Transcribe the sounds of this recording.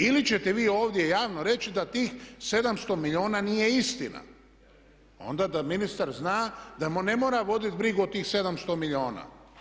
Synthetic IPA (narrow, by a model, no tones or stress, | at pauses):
ilit͡ɕet̪eʋiːo̞ːʋd̪je̞jaːʋnoɾe̞t͡ɕid̪at̪iːxse̞d̪amst̪omiʎʲo̞ːnanije̞ist̪ina̰ | o̰nd̪ad̪aminist̪aɾznaːd̪amnemoːɾaʋo̞d̪it̪bɾiɡuot̪iːxse̞d̪amst̪omiʎo̞ːna̰ː